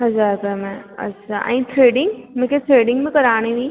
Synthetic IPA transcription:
ɦɐzaːɾpɛmɛ̃ɐ̰tːʃʰa̰ʔa̰ːĩʈʰɾeːɖɪ̃ŋɡmɛ̃kjaʈ̪ʰɾeːɖɪ̃ŋɡmẽkɐɾaːned̪i

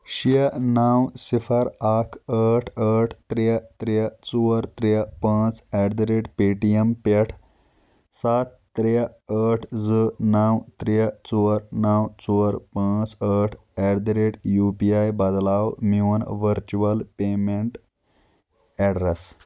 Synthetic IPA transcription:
ɕiənawsifəɾakʰəʈʰəʈʰt̪ɾeat̪ɾeat͡suəɾt̪ɾeapãt͡sɛɾd̪ɾeʈpeʈiempeʈʰ | sat̪ːɾaəʈʰd͡zənawt̪ɾeat͡suəɾnawt͡suɾpãt͡səʈʰ | ɛɽd̪ɾeʈjupiajbad̪lawmiwnʋəɾt͡ɕuʋəlpemeɳʈ | ɛɽɾes

